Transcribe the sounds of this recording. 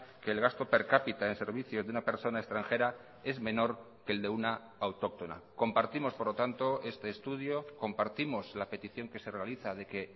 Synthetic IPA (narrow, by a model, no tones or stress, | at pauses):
keːlɣast̪o̞pe̞ɾkapit̪aense̞ɾβ̞iθjo̞zðunape̞ɾso̞naest̪ɾaŋxe̞ɾa | e̞zme̞no̞ɾ | ke̞ːld̪e̞una | awt̪o̞k̚t̪o̞na̰ko̞mpaɾt̪imo̞spo̞ɾlo̞t̪ant̪o̞e̞st̪e̞ːst̪uðjo̞ko̞mpaɾt̪imo̞zlape̞t̪iθjo̞ŋke̞se̞re̞aliθað̞e̞ke̞